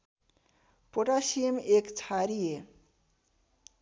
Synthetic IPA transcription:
poʈaʃimekt͡ɕʰaɾije

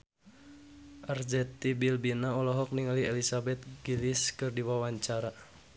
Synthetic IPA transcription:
ʔard͡ʒɛt̪ibilbinaɔlɔɦɔk̚niŋaliɛlisabɛt̪̚ɡiliskɨrdiwawaɲt͡ʃaɾa

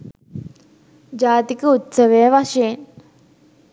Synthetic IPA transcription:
d͡ʒaːt̪ikəut̪səʋejəʋaʃɐjen

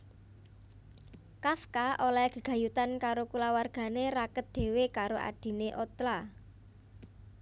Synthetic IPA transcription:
kafkaʔolaɡ̥ə̤ɡ̥ä̤jut̪ankaɾokulawarɡ̥a̤nerakət̪̚d̪̥e̤wekaɾoʔa̰d̪̥i̤neʔot̪la

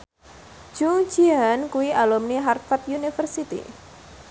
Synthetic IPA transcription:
d͡ʒ̥uŋ̥d͡ʒiankuwiʔalumniɦarfat̪̚junifərsit̪ḭ

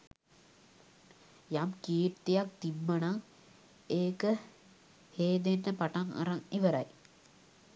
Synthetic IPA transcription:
jamkiːɾt̪ejak̚t̪imːənaŋ | eːkə | heːd̪enːəpaʈaŋa̰ɾaŋeʋəɾaj

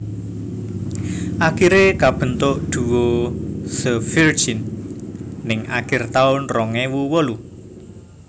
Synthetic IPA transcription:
ʔakiɾekab̥ə̤nt̪ʊʔd̪̥ṳwosəfird͡ʒinː | ɪŋʔa̰kɪrt̪aʊnrɔŋewuwəlu

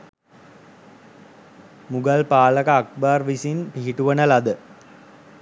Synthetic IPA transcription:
muɡɐlpaːlɐkɐːk̚baːrʋisinpiɦiʈuʋɐnɐlɐd̪ə

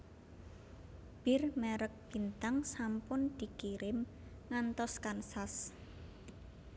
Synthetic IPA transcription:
b̥ɪrmɛɾək̚b̥i̤nt̪aŋsampʊnd̪̥i̤kiɾɪm | ŋant̪ɔskansas

